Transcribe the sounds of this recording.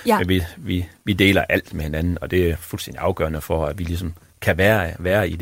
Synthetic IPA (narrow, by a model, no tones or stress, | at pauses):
menʋiʋiʋid̥e̝̰ːlɐʔæl̰d̥mehe̝nænn̩ɒ̽d̥e̝æɐfulsen̰d̥iʔɑ̈ʊɡ̥ɶ̰ːɐnəfɒ̽æʋilis̬ɒ̽m | kʰæʋæːɐʋæːɐid̥